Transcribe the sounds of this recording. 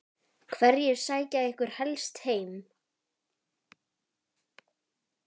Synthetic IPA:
kʰvɛɾjɛɣsaːjcaðɪhkʏɾ̥hɛlst̪heːjm

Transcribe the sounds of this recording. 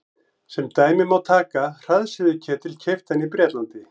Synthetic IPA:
sɛmt̪aːjmɪmawt̪ʰaːkar̥aðsɪðʏcʰɛːt̪ʰɪlcʰejft̪anipɾjɛːt̪lant̪ɪ

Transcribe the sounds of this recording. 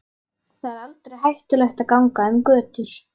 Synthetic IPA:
θaðɛɾalt̪ɾejɦajht̪ʏlɛxt̪aðkawŋkaʏmkœːt̪ʏɾ̥

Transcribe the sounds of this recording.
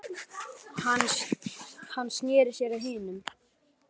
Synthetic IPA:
n | hanːsnjɛːɾɪɾ̥sjɛɾaðɦiːnʏm

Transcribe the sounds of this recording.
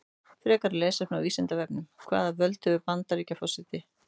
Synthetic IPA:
fɾɛːkaɾlɛːsɛnawiːsɛnt̪avɛpnʏmkʰva̰ːðavœlt̪hœvʏpant̪aɾicafɔsɪt̪ɪ

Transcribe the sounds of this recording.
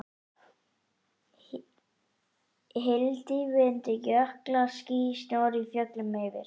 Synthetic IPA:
ɦɪlt̪ɪvɪðʏnt̪ɪjœhklaɾsciːsjaːɾifjœklʏmejvɪ̰ɾ̥

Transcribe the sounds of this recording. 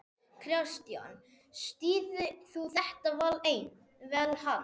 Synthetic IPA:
kʰɾjawst̪ja̰n | st̪iːðʏθuθɛht̪avalejn | vɛːlha

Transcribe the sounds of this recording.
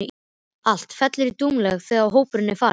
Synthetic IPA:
ɪ | al̥t̪fɛt̪lɪɾit̪uːmlɛɣθɛːɣaɦoːwpʏɾɪnːɪfaː

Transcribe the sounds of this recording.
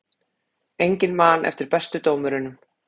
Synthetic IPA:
ejɲcɪnmaːnʔɛ̰ft̪ɪɾpɛst̪ʏt̪oːwmʏɾɪnʏm

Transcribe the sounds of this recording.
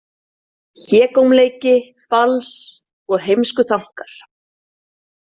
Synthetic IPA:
çɛːkowmleːjcɪ | fals | ɔɣɦejmskʏθawŋ̥kaɾ̥

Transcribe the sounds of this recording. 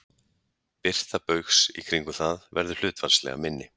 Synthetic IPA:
pɪr̥t̪apœɥxsikʰɾiŋkʏθaðvɛɾðʏl̥ʏːt̪vanslɛ̰ɣa̰mɪnːɪ

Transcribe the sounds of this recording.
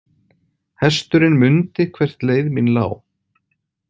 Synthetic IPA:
hɛst̪ʏɾɪnmʏnt̪ɪkʰvɛr̥t̪leːjðminla̰ːw

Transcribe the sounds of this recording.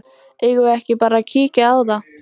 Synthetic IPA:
ɛɣʏɛhcɪpaːɾacʰiːcaawða

